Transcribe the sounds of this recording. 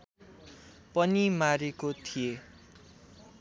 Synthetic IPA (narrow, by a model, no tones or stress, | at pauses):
pʌnimaɾekot̪ʰie